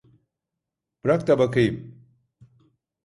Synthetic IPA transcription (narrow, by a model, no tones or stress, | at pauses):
bɾak̚t̪abɐkijm